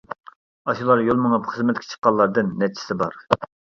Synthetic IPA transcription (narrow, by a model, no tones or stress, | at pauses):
ɑʃulˠɑɾjolˠmɨŋɑpχəzmɛt̪kʲʰe̥t͡ʃʰqːɑlˠːɑɾd̪ɨnːɛt͡ʃʰi̥sɪbɑɾ